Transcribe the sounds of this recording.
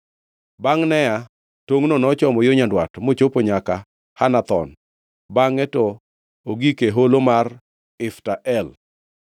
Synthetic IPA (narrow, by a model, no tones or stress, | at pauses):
baŋnɛja | toŋnonɔt͡ʃɔmɔjoɲandwatmot͡ʃopoɲaka | hanat̪ɔ̰n | baŋɛtɔ | oɡikeɦolomar | ɪftaʔɛl